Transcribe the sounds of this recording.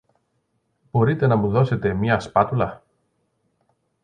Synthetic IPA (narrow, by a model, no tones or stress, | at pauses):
b̥o̞ɾit̪e̞nɐmuðo̞se̞t̪e̞mɲɐspɐt̪ulɐ